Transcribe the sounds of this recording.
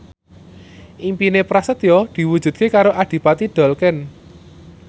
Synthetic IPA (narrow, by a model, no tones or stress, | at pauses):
ʔimpinepɾasət̪jɔd̪̥i̤wud̥ʒ̥ṳd̪̚kekaɾoʔad̪̥i̤pat̪id̪̥ɔ̤lkɛn